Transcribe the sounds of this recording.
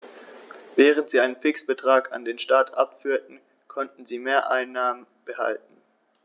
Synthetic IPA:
vɛːʁ̞əntz̥iːaɪnənfɪksb̥ətʁ̥aːkʰa̰ndeːnʃtaːtʰʔa̰pfyːɐtn̩ | kʰɔntn̩ziːmeːɐʔaɪnːaːmənb̥əha̰lt̚n̩

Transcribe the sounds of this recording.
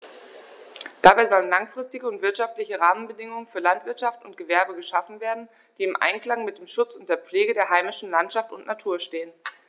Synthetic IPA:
d̥abaɪzɔlənlaŋfʁ̥ɪstɪɡəʊntv̥ɪɐtʃaftlɪçəʁaːmənbədɪŋʊŋənfyːɐlantv̥ɪɐtʃaftʊnt̚ɡ̥əvɛɐbəɡəʃafn̩veːɐdn̩ | d̥iːɪmʔa̰ɪnkl̥aŋmɪt̚d̥eːmʃʊt͡sʊnt̚d̥eːɐp͡fleːɡədeːɐɦaɪmɪʃn̩lantʃaftʊ̰ntnatʰuːɐʃteːən

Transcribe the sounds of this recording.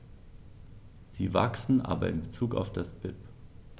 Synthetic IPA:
z̥iːva̰ksn̩ʔa̰ːbɐ̰ɪnbət͡suːka̰ʊfd̥asb̥ɪp

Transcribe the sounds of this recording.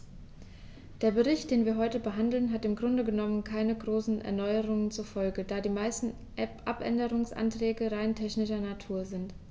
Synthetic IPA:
d̥eːɐbəʁɪçt̚d̥eːnviːɐɦɔʏtəbəɦandl̩nɦatɪmɡʁʊndəɡənɔmənkʰaɪnəɡʁoːsn̩ʔɛ̰ɐnɔʏəʁ̞ʊŋənt͡suɐfɔlɡəd̥aːdiːmaɪstn̩ | ʔɛpʔapʔɛ̰ndəʁ̞ʊŋsʔa̰ntʁ̥ɛːɡəʁaɪntʰɛçnɪʃɐnatʰuːɐzɪnt

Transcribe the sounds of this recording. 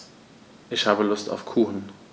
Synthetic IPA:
ʔɪçhaːbəlʊsta̰ʊfkʰuːxn̩

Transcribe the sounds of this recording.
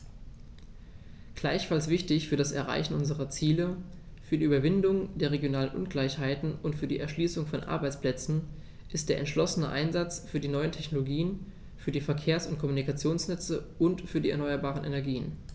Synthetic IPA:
ɡ̥laɪçfalsv̥ɪçtɪçfyːɐɾasɛɐʁa̰ɪçn̩ʔʊnzəʁɐt͡siːlə | fyːɐdiːʔyːbɐvɪndʊŋd̥eːɐʁeɡjonaːlənʔʊnɡlaɪçhaɪtn̩ʔʊntfyːɐdḭːʔɛɐʃliːsʊŋfɔnʔa̰ɐbaɪt͡spl̥ɛt͡sn̩ | ʔɪstd̥eːɐʔɛ̰ntʃlɔsənəʔa̰ɪnzat͡sfyːɐdiːnɔʏəntʰɛçnoloɡiːən | fyːɐdiːfɛɐkʰeːɐsʊntkʰɔmunikat͡sjoːnsnɛt͡səʔʊntfyːɐdiːɛɐnɔʏɐbaːʁ̞ənʔḛnɛɐɡiːən

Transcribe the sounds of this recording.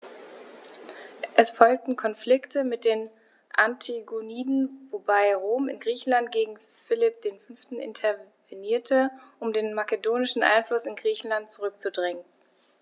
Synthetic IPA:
ʔɛsfɔlk̚tn̩kʰɔnflɪktʰəmɪt̚d̥eːn | ʔantʰiɡoniːdn̩vobaɪʁoːmɪnɡʁiːçn̩lant̚ɡ̥eːɡŋ̩ | fɪlɪp̚d̥eːnfʏnftn̩ʔɪ̰ntʰɛveniːɐtʰəʔʊmdeːnmakədoːnɪʃn̩ʔa̰ɪnflʊsɪnɡʁiːçn̩lant̚t͡suʁ̞ʏk̚t͡sudʁɪŋən

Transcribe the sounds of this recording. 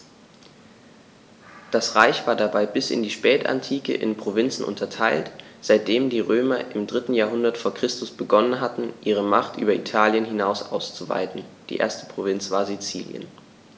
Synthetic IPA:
d̥asʁaɪçv̥aːɐdabaɪbɪsɪ̰ndiːʃpɛːta̰ntʰiːkə̰ʔɪ̰npʁ̥ovɪnt͡sn̩ʔʊ̰ntʰɐtʰaɪltz̥aɪt̚d̥eːmdiːʁøːmɐʔɪmdʁɪtn̩jaːɐɦʊndɐtfoːɐkʁ̥ɪstʊsb̥əɡɔnənɦatn̩ʔiːʁ̞əmaχtʔy̰ːbɐʔitʰaːljənɦɪnaʊsʔa̰ʊst͡suva̰ɪtn̩d̥ḭːʔḛːɐstə̥pʁ̥ovɪnt͡sv̥aːɐzit͡sḭːljə̰n

